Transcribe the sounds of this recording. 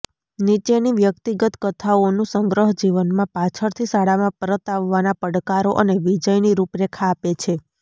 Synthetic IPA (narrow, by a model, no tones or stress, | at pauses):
nit͡ʃeniʋjək̚t̪iɡət̪kət̪ʰaonũsəŋɡɾəɦd͡ʒiʋənmãpat͡ʃʰəɾt̪ʰisaɽamãpəɾət̪aʋːanapəɽkaɾoʔəneʋid͡ʒəjniɾupɾekʰaːpet͡ʃʰe